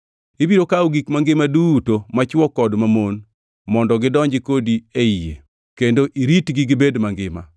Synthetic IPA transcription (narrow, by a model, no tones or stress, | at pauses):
ibiɾokawɡikmaŋɡɪmadutomat͡ʃɔkɔdmamon | mɔndɔɡɪdɔɲd͡ʒɪkodieijḛ | kendoʔiɾitɡiɡɪbedmaŋɡɪma̰